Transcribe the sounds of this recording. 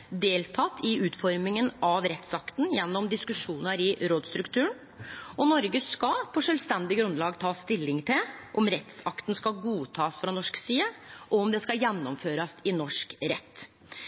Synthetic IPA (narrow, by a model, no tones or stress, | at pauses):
d̪eːlt̪ʰɑt̪ːɪʉːt̪fɔɾmɪŋənɑʋɾɛt̪sɑkt̪njɛnːɔmd̪ɪskʉʂuːnəɾɪɾoːd̪st̪ɾʉkt̪ʰʉːəɳ | ɔnɔɾɡəskɑpʰɔʂœːlʋst̪ɛnd̪ɪɡɾʉnlɑːɡt̪ʰɑːst̪ɪlːɪŋt̪ʰɪlʔɔmɾɛt̪sɑkt̪n̩skɑɡuːt̪ʰɑːsfɾɑnɔʂksiːəʔɔɔmd̪ɛskɑjɛnːɔmføːɾɑsɪnɔʂkɾɛ̰t̪ː